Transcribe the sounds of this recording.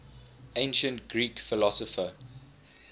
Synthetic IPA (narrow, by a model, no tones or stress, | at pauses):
ẽɪ̃nʃə̃ntɡ̥ɹiːkfɪlɔsɔfə